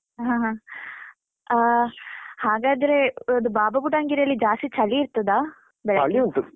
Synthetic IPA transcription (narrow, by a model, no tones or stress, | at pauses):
ɦãɦã | a | haːɡaːd̪ɐɾeɐd̪ubaːbɐbuɖaːŋɡiːɾɐlːid͡ʒaːst̪it͡ʃɐliːɾt̪ɐd̪aː | bɛɭɐɭiɐnt̪u